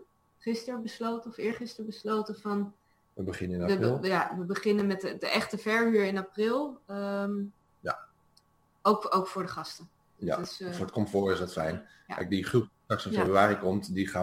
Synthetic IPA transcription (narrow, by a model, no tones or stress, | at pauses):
χɪstəɹbəslowtəɔfɪːɹχɪstəɹbəslowtəvɑn | ʋəbəχɪnəɪnəlˠjaʋəbəχɪnənmɛtədəʔɛχtəvɛɹyːɹɪnaprɪlˠəm | ja̰ | owkowkfʊːɹdəχɑstə | ja̰dəsfoɹətkɔmfoːɹɪsdɑtfɛjn | kɛ̰jk̚diχrup̚tɑksənfebryaːɾikɔmtdiχaː